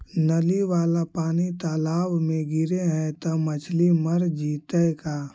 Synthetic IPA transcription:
nɐliʋaːlapaːnit̪aːlaːbmẽɡɪɾeɦɛ̃t̪əmɐt͡ʃʰliməɾd͡ʒiːt̪əkaː

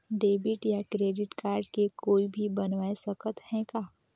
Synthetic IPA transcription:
ɖeːbɪʈjakɾeːɖɪʈkaːɾɖkekoːibʱibɐnʋaːesɐkət̪hɛ̃kaː

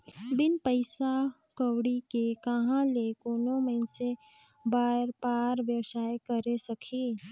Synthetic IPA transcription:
bɪnpəɪsa | kəwɽikekəɦãlekoːnomənse | baːɾpaːɾʋjəwsaːjkəɾesəkʰiː

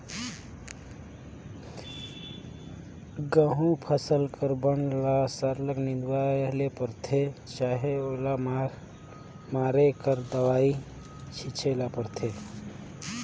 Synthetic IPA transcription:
ɡəɦũpʰəsəlkʰəɾbənlasəɾləknid̪walepəɾt̪ʰet͡ʃaɦeola | maɾekəɾd̪əwai | t͡ʃʰit͡ʃʰelapəɾt̪ʰe

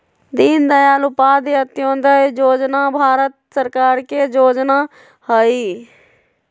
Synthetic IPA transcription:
d̪iːnd̪əjaːlʊpaːd̪eət̪ɪõːnd̪aːed͡ʒoːd͡ʒnaːbʱaːɾət̪̚səɾkaːɾkeːd͡ʒoːd͡ʒnaː | hoiː

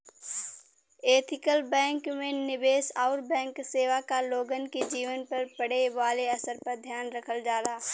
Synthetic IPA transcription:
eːt̪ʰɪkəlbɛ̃ːŋkmẽnɪbeːsaːɾbɛ̃ːŋkseːʋakaloːɡənked͡ʒiːʋənpɐɾpɐɽ̤eʋaːleɐsəɾpɐɾd̪ʱjaːnɾɐkʰəld͡ʒaːlaː

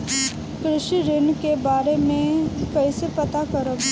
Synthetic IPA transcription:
kɾɪʃiɾɪnkebaːɾemẽkɐisepɐt̪akɐɾə

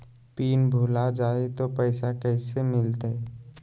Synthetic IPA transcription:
piːnbʱuːlad͡ʒaːet̪opɛːsakɛːsemɪlt̪aɛ

